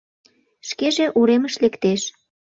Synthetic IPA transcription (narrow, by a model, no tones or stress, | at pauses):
ʃkeʒeʔuɾeməʃlekt̪eʃ